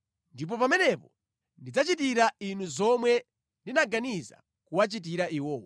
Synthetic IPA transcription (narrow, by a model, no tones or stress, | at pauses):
ndip̬ɔpamɛnɛpɔ | ndid͡zat͡ʃit̬iɾainuzɔmwɛ | ndinaɡaniza̰ | kuwat͡ʃit̬iɾaiwɔːwa